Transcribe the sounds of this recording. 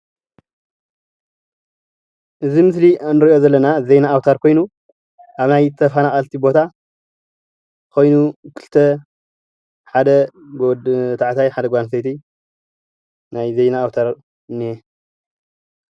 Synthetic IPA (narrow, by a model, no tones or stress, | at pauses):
ʔɨzimɨslinɨɾiʔo̞zɐlːɐnazejnaːwt̪ʰaɾkʰo̞jnu | ʔaβnajt̪ʰɐfanaχʼalt̪ʰibo̞t̪ʰa | kʰo̞jnukʰɨlt̪ʰɐ | ħad̪ɐɡt̪ʰaʕt̪ʰajħad̪ɐɡʷansɐjt̪ʰi | najze̞jnaːwt̪ʰaɾ | ɨnːie